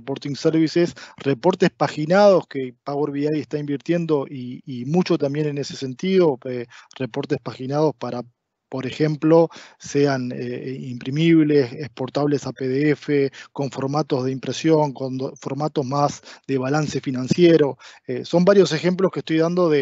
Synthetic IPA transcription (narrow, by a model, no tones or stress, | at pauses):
repoɾt̪iŋseɾβisesrepo̞ɾt̪espaxinað̞o̞ske̞paɣweɾβiajest̪aimbiɾt̪je̞nd̪o̞ʔiːmut͡ʃo̞t̪ambje̞ne̞nese̞se̞nt̪iðo̞erepo̞ɾt̪espaxinað̞o̞spaɾa | po̞ɾe̞xe̞mplo̞se̞aneimpɾimiβle̞sespo̞ɾt̪aβle̞sapeðeefeko̞ɱfo̞ɾmat̪o̞zð̞eimpɾe̞sjo̞ŋkonfoɾmat̪o̞zmasðe̞βalanse̞finãnsjeɾo̞eso̞mbaɾjo̞se̞xe̞mploskehst̪ojðand̪o̞ðe